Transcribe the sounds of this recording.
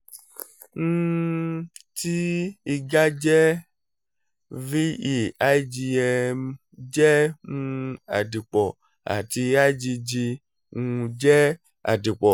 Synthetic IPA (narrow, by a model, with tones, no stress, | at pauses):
ŋũ˦ | ti˦i˨ɡa˦d͡ʒɛ˦ | vi˦i˨a˦i˦d͡ʒi˧ɛ˧ | d͡ʒɛ˦ŋũ˧a̰˨di˨k͡pɔ˨ | a̰˨t̪i˧a˦i˦d͡ʒi˧d͡ʒi˧ | ŋũ˧d͡ʒɛ˦ | a̰˨di˨k͡pɔ˨